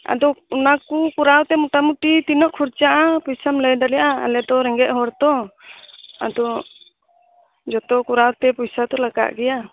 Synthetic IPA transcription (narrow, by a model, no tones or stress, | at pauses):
a̰d̪ɔunakukuɾawt̪ɛmuʈamuʈit̪inɔʔkʰuɾt͡ʃaʔapujsamlɛjdalijaʔaa̰lɛd̪ɔɾɛŋɡɛʔ̪̚ɦɔɾt̪ɔ | a̰d̪ɔ | d͡ʒɔt̪ɔkuɾawt̪ɛpujsat̪ɔlaɡa̰ʔɡɛja